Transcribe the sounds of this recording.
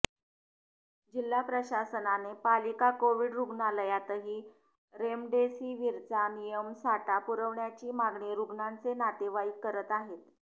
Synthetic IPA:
d͡ʑilːapɾəɕasənanepalikakoʋiːɽɾuɡnaləjat̪əɦiː | ɾemɖesiːʋiɾt͡sanijəmsaʈapuɾəʋɳjat͡ɕiːmaɡɳiɾuɡɳant͡senat̪eʋaikːəɾət̪aɦet̪

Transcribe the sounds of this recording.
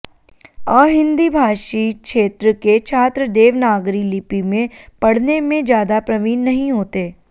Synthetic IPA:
ɔːɦɪ̃nd̪ibʱaːʃikʃeːt̪ɾəket͡ʃʰaːt̪ɾəd̪eːʋnaːɡɾilɪpimẽpɐɽ̤nemẽd͡ʒjaːd̪apɾɐʋiːnːɐɦĩɦoːt̪eː

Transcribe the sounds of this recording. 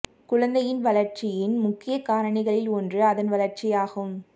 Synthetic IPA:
kʊɻɐnd̪ɐjɪnʋɐlɐɾt͡ʃɪjɪnmʊkːɪjɐkaːɾɐɳɪɣɐɭɪlɔndrɯɐðɐnʋɐlɐɾt͡ʃɪjaːɣɯm

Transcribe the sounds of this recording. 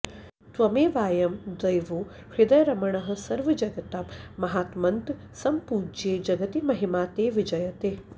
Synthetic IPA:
t̪ʋɐmeːʋaːjɐmd̪ɐjʋoː | hid̪ɐjɾɐmɐɳɐɦɐ̆sɐɾʋɐd͡ʒɐɡɐt̪amːɐɦaːt̪mɐnt̪ | sɐmpuːd͡ʒeːd͡ʒɐɡɐt̪imɐɦimaːt̪eːʋid͡ʒɐjɐt̪eː

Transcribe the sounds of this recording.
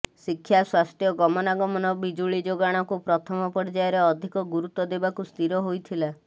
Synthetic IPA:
sikʰːjaswasʈjɔɡɔmɔnaɡɔmɔnɔbid͡ʒuɭid͡ʒoɡaɽ̃ɔkupɾɔt̪ʰɔmɔpɔɾd͡ʒajɔɾeɔd̪ʱikɔɡuɾut̪ːɔd̪ebakust̪iɾɔɦojt̪ʰila

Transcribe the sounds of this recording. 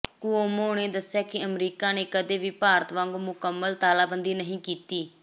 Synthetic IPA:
kuoːmoːɳ̃eːd̪əsjaːkɪəmɾiːkaːneːkəd̪eːʋiːpaːɾət̪ʋãŋɡmʊkəmːəlt̪aːlaːbənd̪iːnəɦĩːkiːt̪iː

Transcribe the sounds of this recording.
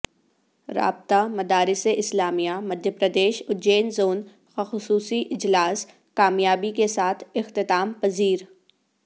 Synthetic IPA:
ɾa̰ːb̚t̪amɐd̪aːɾɪseʔɪslaːmijamɐd̪ʱjəpɾɐd̪eːʃʊd͡ʒeːnzoːn | xxʊsuːsiʔɪd͡ʒlaːs | kaːmjaːbikesaːt̪ʰɪxt̪ɪt̪aːmpɐziːɾ

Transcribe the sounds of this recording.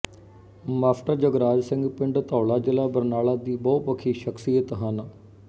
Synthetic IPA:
maːsʈəɾd͡ʒəɡɾaːd͡ʒsɪ̃ŋɡpɪɳɖt̪ɔːlaːd͡ʒɪlaːbəɾnaːɭaːd̪iːbɔːt̪ʋəkʰːiːʃəksijət̪ɦən

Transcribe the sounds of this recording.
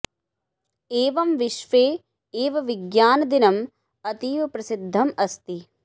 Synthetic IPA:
eːʋɐmʋiʃʋeː | eːʋɐʋiɡjaːnɐd̪inɐm | ɐt̪iːʋɐpɾɐsid̪ʱːɐmɐst̪i

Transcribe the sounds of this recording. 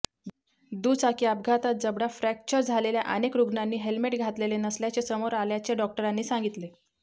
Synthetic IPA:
d̪ut͡sakiːab̚ɡʱat̪at̪̚d͡zəbɽafɾæk̚t͡ɕəɾd͡zʱalelja̰ʔənekɾuɡnanːiːɦelmeʈɡʱat̪lelenəsljat͡ɕesəmoɾaljat͡seɖɔk̚ʈəɾanːiːsãŋɡit̪le

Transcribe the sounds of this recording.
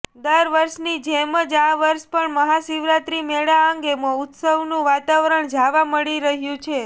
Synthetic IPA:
d̪əɾʋəɾʃnid͡ʒɛməd͡ʒaʋəɾʃpəɳməɦasiʋɾat̪ɾimeɭaəŋɡemõʊt̪səʋnũʋat̪aʋɾəɳd͡ʒaʋaməɭiɾəɦjũt͡ʃʰe

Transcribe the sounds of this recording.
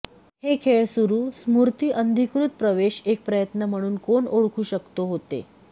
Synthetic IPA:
hekʰeɭsuɾuːsmuɾt̪iːʔənd̪ʱikɾut̪̚pɾəʋeɕek̚pɾəjət̪nəm̤əɽ̃uːnkoɳoɭkʰuːɕəkt̪oɦot̪ḛ

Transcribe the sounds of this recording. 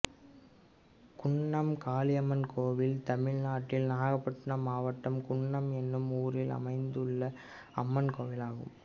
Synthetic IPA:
kʊɳːɐmkaːlɪjɐmɐnkʰoːʋɪlt̪ɐmɪɻnaːʈːɪlnaːɣɐpːɐʈːɯnɐmaːʋɐʈːɐmkʊɳːɐmɛnːɯmuːɾɪlɐ̰mɐɪnd̪ɯɭːɐ | ɐmːɐnkoːʋɪlaːɣɯ̰m

